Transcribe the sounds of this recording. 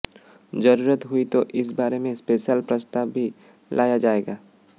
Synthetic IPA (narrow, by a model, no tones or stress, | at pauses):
d͡ʒəɾuːɾət̪ɦʊit̪oʔɪs̬baːɾemẽspeːʃjəlpɾəst̪aːbːʱi | lʔaːjad͡ʒaːeːɡaː